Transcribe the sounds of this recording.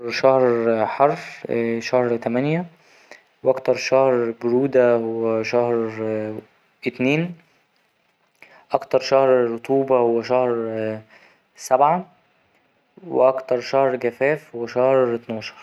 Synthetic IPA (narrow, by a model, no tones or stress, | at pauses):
ʃɑhɾħɑɾˤʃæhɾt̪æmænjæ | wʔɑkt̪ɑɾˤʃæhɾɡʊɾuːd̪æhowwːæʃæhɾ | ʔɪt̪niːn | ʔɑkt̪ɑɾˤʃɑhɾɾot̪ˤuːbɑhowːæʃɑhɾ | sæbʕa | wḛʔɑkt̪ɑɾˤʃɑhɾɡæfæːfhwæʃɑhɾɪt̪nɑːʃɑ̥ɾˤ